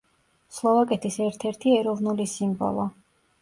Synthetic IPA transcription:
slˠɔvakʼɛt̪ʰisɛɾt̪ʰɛɾt̪ʰiɛɾɔvnulisimbɔ̰lˠɔ

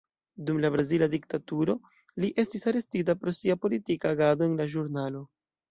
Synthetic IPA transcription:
dumlabɾaziladik̚tatuɾo̞ | liʔe̞stisaɾe̞stit̬apɾo̞siapo̞litikaːɡadoenlaʒuɾnalo̞

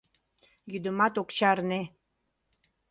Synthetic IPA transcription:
jyd̪əmɑt̪okt͡ɕɑrne

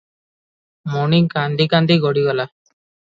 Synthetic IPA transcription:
mɔniŋkand̪ikand̪iɡɔɽiɡɔla

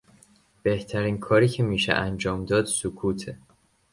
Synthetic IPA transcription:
b̥e̞ht̪ʰæɾiːnkʰɒːɾiːcʰemiːʃḛʔænd͡ʒɒːmd̪ɒːd̪̥sokʰuːt̪ʰe

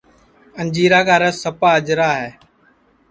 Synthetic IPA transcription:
ənd͡ʒiːɾaːkaːɾəsəpaːəd͡ʒɾaːɦɛː

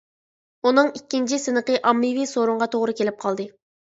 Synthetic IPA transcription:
unɨŋikʲːint͡ʃʰisɨnɨqəʔɑmːivisoɾuɴʁɑt̪ʰoʁɾɨkʲʰelɪp̚qʰɑlˠd̪ɨ

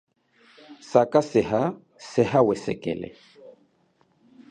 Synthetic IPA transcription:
sakasɛha | sɛɦawɛsɛkɛ̰lɛ̰

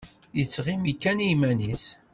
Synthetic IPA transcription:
jət͡sːʁimikːænimænis

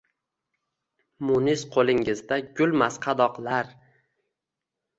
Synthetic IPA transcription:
mʊnɪzqʰolˠɪŋɪzd̪aɡʲʊlˠmasqʰɑd̪ɒqlˠaɾ

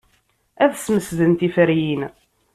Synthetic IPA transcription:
æðsməsðənt̪ifəɾjin

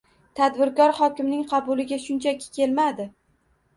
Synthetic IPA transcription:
t̪ʰad̪bɪɾkɒɾhɒkʲɪmnɪŋqʰɑbʊlɪɡʲaʃʊnt͡ʃʰakʲʰɪ̥kʲe̞lmad̪ɪ

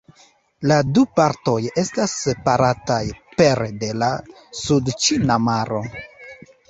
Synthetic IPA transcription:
ladupaɾto̞je̞stasepaɾatajpe̞ɾede̞la | sudt͡ʃinamaɾo̞

